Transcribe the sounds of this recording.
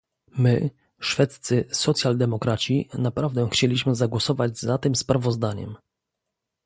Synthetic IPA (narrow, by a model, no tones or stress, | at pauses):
mɘ | ʂfɛt̪ssɘsɔt̪sʲjald̪ɛmɔkɾat͡ɕinapɾavd̪ɛxt͡ɕelʲiɕmɘzaɡwɔsɔvad͡ʑzat̪ɘmspɾavɔzd̪aɲɛ̰m